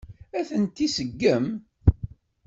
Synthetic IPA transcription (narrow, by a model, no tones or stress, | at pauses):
æθənt̪ːisəɡːəm